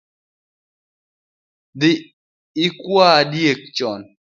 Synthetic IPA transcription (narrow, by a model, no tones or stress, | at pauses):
d̪ɪ | ɪkwadjek̚t͡ʃɔn